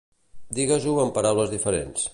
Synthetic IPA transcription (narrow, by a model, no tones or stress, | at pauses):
d̪iɣəzuəmpəɾawləzðifəɾḛns